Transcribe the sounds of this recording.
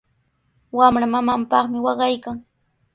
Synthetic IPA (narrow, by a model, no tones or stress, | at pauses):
wamɾamamampɑχmɪwɑɢɑjkaŋ